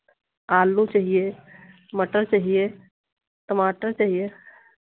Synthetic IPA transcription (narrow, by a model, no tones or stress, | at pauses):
aːlːũt͡ʃaɦije | məʈəɾt͡ʃaɦije | t̪əmaːʈəɾt͡ʃaɦije